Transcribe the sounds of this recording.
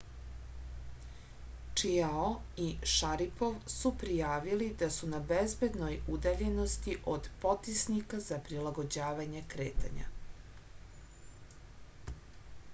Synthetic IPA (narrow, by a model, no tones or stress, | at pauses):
t͡ʂiaoiʃaɾipoʋsupɾijaːʋilid̪asunabezbe̞d̪no̞jud̪aʎe̞no̞st̪iʔod̪po̞t̪isnikazapɾilˠaɡo̞d͡ʑaːʋaɲe̞kɾḛːt̪ʰa̰ɲa̰